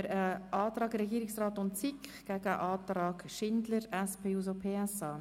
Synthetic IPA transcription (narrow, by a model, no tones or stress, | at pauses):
ɾəʔɑːtɾɑːɡɾɛɡiːɾɪksraːtʊntt͡sikɡ̥ɛɡəəʔɑːtɾɑːɡʃɪndləɾɛspʰeːuːzopʰeːɛsɑː